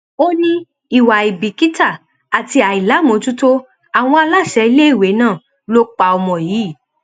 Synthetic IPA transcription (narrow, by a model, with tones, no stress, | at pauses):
o˦nĩ˦ | i˨wa˨i˨bi˨ki˦ta˦˨ | a˨ti˧a˨i˨la˨˦mõ˨˦tu˦to˦ | a˨w̃ɔ̃˧a˧la˦˨ʃɛ˨˧i˧le˦i˦˨we˨˦nãː˦˨ | lo˦k͡pa˧ɔ˧mɔ̃˨jiː˨˦˨